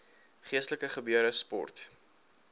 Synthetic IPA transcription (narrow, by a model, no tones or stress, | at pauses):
χiəstələkəχəbyəɾəspɔ̰rt